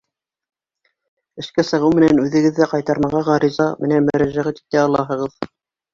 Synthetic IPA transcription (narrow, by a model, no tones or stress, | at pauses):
ɘ̆ʃkæsɤ̆ʁɤwmɘ̆nænʉðɘ̆ɡɘ̆ðːæqɑjt̪ɑɾmɑʁɑʁɑɾizɑmɘ̆nænmɵ̆ɾæʒæʁæt̪i̥t̪æɑlˠɑɦɤ̆ʁɤð